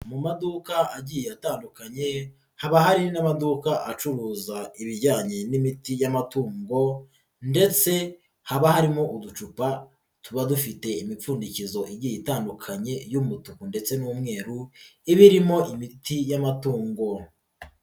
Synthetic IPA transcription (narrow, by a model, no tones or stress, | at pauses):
mumadukaaɟijeataːndukaɲe̞ | haβahaɾinamadukaʔat͡ʃuɾuːzaiβiɾɟaːɲe̞nimitijamatuːŋɡo̞ | nde̞t͡se̞ | haβahaɾimo̞ʔudut͡ʃupa | tuβadufite̞imip͡fuːndicizo̞ʔiɟijitaːndukʰaɲe̞jumutukunde̞t͡se̞nuːmŋe̞ːɾuiβiɾimo̞ʔimitijamatuːŋɡo